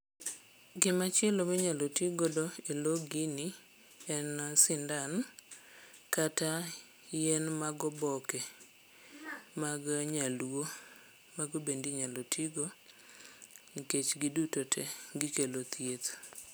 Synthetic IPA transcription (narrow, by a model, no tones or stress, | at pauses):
ɡɪmat͡ʃelomɛɲalotiɡɔdɔeloɡini | ɛnasɪndan | kata | jɛnmaɡɔbɔkɛ | maɡɲalwo | maɡobendiɲalotʰiɡo | iket͡ʃɡɪdutotʰɛɡɪkelot̪ʰjet̪